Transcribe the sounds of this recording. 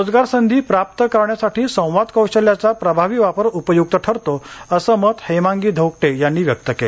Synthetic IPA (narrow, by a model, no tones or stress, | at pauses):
od͡zɡaɾsənd̪ʱiːpɾap̚t̪əkəɾɳjasaʈʰiːsə̃w̃ʋad̪kəwɕəljat͡sapɾəbʱaʋiːʋapəɾupəjuɡ̚t̪əʈʰəɾt̪oəsəːmət̪hemãŋɡiːd̪ʱəwk̚ʈejanːiːʋjək̚t̪əkele